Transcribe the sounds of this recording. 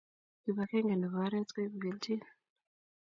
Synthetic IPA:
i˨βa˨ke˦ŋɡe˨ni˨βa˨˦ɾe˦t͡ske˦βu˨ɡe˨ntʰi˦na

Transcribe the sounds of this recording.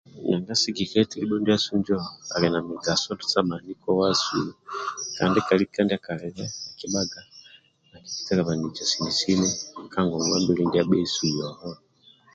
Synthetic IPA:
ɲa˨ŋɡa˦si˦ɡi˨kɛ˦tili˦ɓɔ˦ndia˦su˦nd͡ʒɔ˦a̰˨lɛ˨na˨miɡa˨sɔ˦dusama˨ni˦kɔ˦wasṵ | ka̰˨ndikalikandiaka˨lɛɾɛa˨kiɓa˦ɡa˨ | a˨dit͡ʃi̥˦tɛla˨βa˨ni˨d͡ʒa˨sini˨si˦nɛ˦kaŋɡɔ˨ŋɡwa˦mbilindi˦aɓɛ˦i˦su˨jɔhɔ

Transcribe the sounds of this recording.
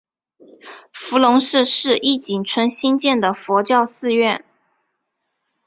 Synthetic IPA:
fu˧˥lʊ˧˥ŋʂɻ̩˥˧ʂɻ̩˥˧ʔi˥˩t͡ɕi˨˩nʈ͡ʂʰwə˧˥nɕi˥nt͡ɕjɛ˥˩nd̪ə˩fɔ˧˥t͡ɕjɑ˥˧ʊsɹ̩˥˧ɥɛ˥˩n

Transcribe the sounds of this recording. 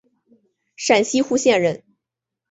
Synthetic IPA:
ʂa˨˩nɕi˥xu˥ɕjɛ˥˧nɻə˥˩n

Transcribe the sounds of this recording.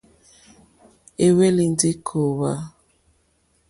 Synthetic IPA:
e˦we˦li˨n̩˦dɪ˦kʰo˨wa˦

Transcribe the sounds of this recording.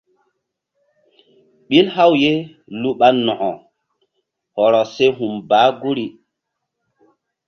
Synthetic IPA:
ɓi˦lha˦wje˦ | lu˦ɓa˦nɔ˨ʔɔ˨ | hɔ˨ɾɔ˨se˦ɦu˨mbaː˨˦ɡu˦ɾi˨

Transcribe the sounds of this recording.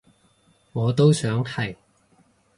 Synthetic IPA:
ŋɔː˨˧t̪o˥wsœː˨˥ŋhɐ˨j

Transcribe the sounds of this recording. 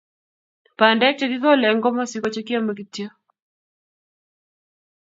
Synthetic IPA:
pa˨ndɛ˦k̚t͡ʃɛ˦ki˦ðɔ˦lɛ˨ŋɡɔ˦mɔ˦si˦kɔ˦t͡ʃɛ˦kja˦ma˨ki˨tjo˦

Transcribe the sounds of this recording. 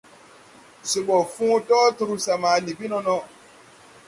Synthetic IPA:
so˨bɔ˨fũ˦tɔː˦tu˧ɾu˧sa˨mãː˨li˨bi˦nɔ̃˧nɔ̃˧

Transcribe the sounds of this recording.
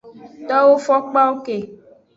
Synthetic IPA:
t̪ɔ˦wo˦fɔ˦k͡pa˦wo˦ke˨

